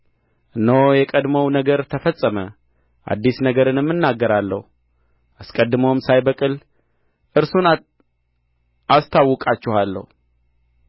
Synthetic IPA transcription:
ʔɨnːojɛkʼəd̪məwnəɡəɾt̪ʰəfəsʼːəmə | ʔa̰d̪ːisnəɡəɾɨnɨmːɨnːaɡːəɾalːəhu | ʔaskʼəd̪ːɨmowmsajbəkʼɨl | ʔɨɾsun | ast̪ʰawːɔkʼat͡ʃːɛhalːə̰hu

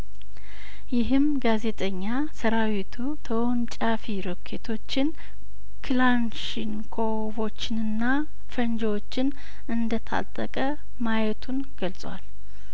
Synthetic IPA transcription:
jɪɦɨmɡaze̞t̪ʰʼəɲːa | səɾawit̪ʰut̪ʰəwnt͡ʃʼafiɾokʰːe̞t̪ʰo̞t͡ʃːɪn | kʰlanʃiŋkʰo | vo̞t͡ʃːɪnɨnːa | fənd͡ʒəwo̞t͡ʃːɪn | ɨnd̪ət̪ʰa̰t̪ʼːə̰kʼə | majɛt̪ʰun | ɡəlsʼwa̰l

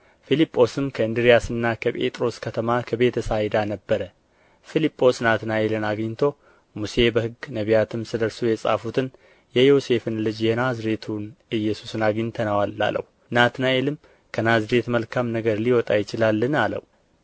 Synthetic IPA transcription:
filipʼːo̞sɨmkʰəɨnd̪ɨɾijasɨnːakʰəpʼḛt̪ʼɾo̞skʰət̪ʰəmakʰəbe̞t̪ʰəsajd̪anəbːəɾə | filipʼːo̞snat̪naʔelɨnaɡɲːt̪ʰo̞ | muse̞bəhɨɡːnəβijat̪ʰɨmsɨd̪əɾsujɛsʼa̰fut̪ʰɨn | jɛjo̞se̞fɨnlɨd͡ʒjɛnazɾe̞t̪ʰunɨjːɛsusɨnaɡɨɲt̪ʰənəwalːa̰lə̰w | nat̪naʔelɨm | kʰənazɾe̞t̪məlkʰamnəɡəɾliwɔt̪ʼajɪt͡ʃɪlalːɨnalə̰w

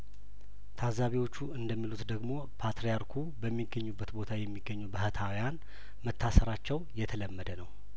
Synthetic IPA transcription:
t̪ʰazːaβiwo̞t͡ʃːuɨnd̪əmːilut̪d̪əɡmo̞ | pʰat̪ɾejaɾkʰubəmːiɡːəɲːubːət̪bo̞t̪ʰajɛmːiɡːəɲːubəhət̪ʰawijan | mət̪ʰːasəɾat͡ʃːɛwjɛt̪ʰələmːəd̪ənəw

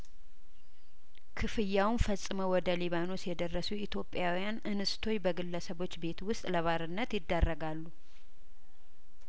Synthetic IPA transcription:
kʰɨfɨjːawnfəsʼɨməwɔd̪əliβano̞sjɛd̪ərːəsuit̪ʰjo̞pʼːjawijanʔɨnɨst̪ʰo̞ɲbəɡɨlːəsəβo̞t͡ʃːbe̞t̪wʊst̪ʼləβaɾɨnːət̪jɪd̪ːərːəɡalːu

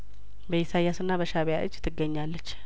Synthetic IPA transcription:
bəjisajasɨnːabəʃaβjaʔɨ̰d͡ʒːt̪ʰɨɡːəɲːalːət͡ʃː

